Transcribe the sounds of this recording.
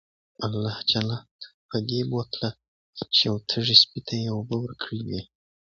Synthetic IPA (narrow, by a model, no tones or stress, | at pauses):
alːɑht͡ʃalɑpʰəd̪ebot̪la | t͡ʃejawt̪ʰəʐispit̪ʰajewobəwəɾkʰɽiwi